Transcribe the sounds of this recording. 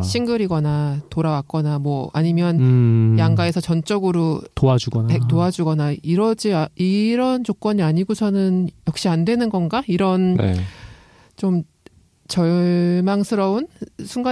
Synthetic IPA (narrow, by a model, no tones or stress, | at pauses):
ɕʰiŋɡɯɾiɡʌnatoɾawak͈̚ʌnamwʌa̰ɲimjʌnjaŋɡae̞sʰʌt͡ɕʌnt͡ɕ͈ʌɡɯɾotoad͡ʑuɡʌpek̚t͈oad͡ʑuɡʌnaiɾʌd͡ʑiaiɾʌnt͡ɕok͈ʌɲiaɲiɡosʰʌnɯnjʌk̚ɕ͈iandwe̞nɯnɡʌnɡaiɾʌnnḛ | t͡ɕom | t͡ɕʌɭmaŋsʰɯɾʌunsʰuŋɡa